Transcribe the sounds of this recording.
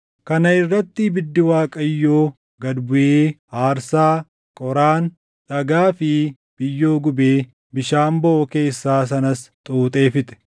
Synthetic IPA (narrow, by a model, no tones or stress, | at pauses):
kɐnɐɪrːɐt̪ːɪbɪd̪ːɪwaːkʼɐjːoː | ɡɐd̪bʊʔeːhaːɾsaː | kʼɔɾaːn | ᶑɐɡaːfɪ | b̥ɪjːoːɡʊbeː | bɪʃaːmbɔʔɔke̞ːsːaːs̬ɐnɐst̪ʼuːt̪ʼe̞ːfɪt̪ɛ̥